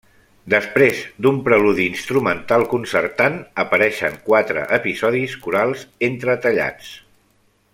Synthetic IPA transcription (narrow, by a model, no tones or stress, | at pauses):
d̪əspɾezd̪umpɾəluðiːnst̪ɾumənt̪alˠkunsərt̪anəpəɾɛʃə̰ŋkwat̪ɾə̰ʔəpizɔðiskuɾalˠzent̪ɾət̪əʎa̰t͡s